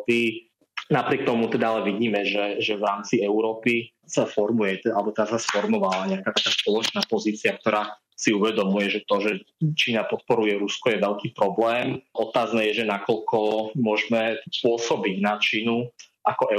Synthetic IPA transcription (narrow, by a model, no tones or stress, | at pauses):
t̪i | napɾɪɛk̚t̪ɔmut̪ɛd̪aalɛʋiɟiːmɛʒɛʒɛʋɾaːmt͡siɛʊɾɔːpi | safɔɾmujɛt̪ɛalɛbɔt̪ɛd̪asasfɔɾmɔʋalaɲɛakaːt̪akaːspɔlɔt͡ʃnaːpɔziːt͡siak̚t̪ɔɾaː | siuʋɛd̪ɔmujɛʒɛt̪ɔʒɛt͡ʃiːnapɔt̪̚pɔɾujɛɾuskɔjɛʋɛʎkiːpɾɔblɛːmʔɔt̪aːznɛːjɛʒɛnakɔʎkɔmʊɔʒmɛpʊɔsɔbiɟnat͡ʃiːnu | ʔakɔʔɛ